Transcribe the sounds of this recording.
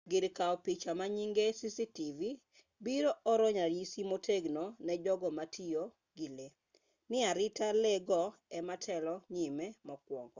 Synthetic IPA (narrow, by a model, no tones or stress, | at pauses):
ɡɪɾkaɔpit͡ʃamaɲiŋɡesisitivi | biɾoʔɔɾɔɲaɾjisimotʰeɡnonɛd͡ʒɔɡɔmatʰio | ɡile | nɪaɾɪtalɛɡɔɛmatʰɛlɔɲimemɔkwɔŋɡɔ